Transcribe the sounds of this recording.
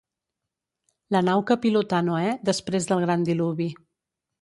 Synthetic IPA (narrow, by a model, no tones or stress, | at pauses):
lənawkəpilut̪anoɛd̪əspɾezðəlˠɣɾand̪iluβi